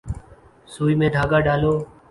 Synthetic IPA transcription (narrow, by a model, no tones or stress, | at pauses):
suːiːmẽːd̪ʱaːɡaːɖaːloː